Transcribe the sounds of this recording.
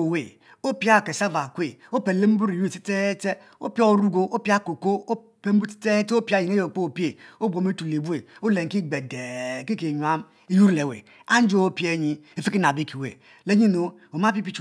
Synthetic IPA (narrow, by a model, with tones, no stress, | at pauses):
o˨we˨ | o˦pi˦a˦˨ke˨sa˦va˨kʷe˨o˦pe˨le˦m̩˦bu˦ɾi˨jti˦te˦te˦ | o̰˦pi˦o˦ɾu˦ɡo˦o˦pi˦a˦ko˨ko˦o˦ | pe˦m̩˦bu˦ti̥˦te˦to˦pi˦a˦˨ji˨ne˦jo˨k͡po˦˨pi˦e˨o˦bʷo˨me˦tu˨le˨bu˦e˨o˦le˨ŋ̩˨ki˦ɡ͡be˨de˨ki˦ke˨ɲ˨a˦m | i˦ju˦ɾle˨wḛ˨ | a˦n˦d͡ʒo˦o˦pi˦e˦ɲi˦e˨fi˦ki˦na˨bi˦ki˨wḛ˨ | le˦ɲi˦no˨ | o˨ma˦pi˦pi˦t͡ʃ